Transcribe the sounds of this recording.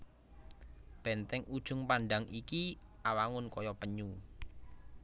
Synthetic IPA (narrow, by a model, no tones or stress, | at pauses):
b̥ɛ̤nt̪ɛŋud̥ʒ̥ʊ̤ŋpaɳɖaŋikiawaŋʊnkɔjɔpəɲu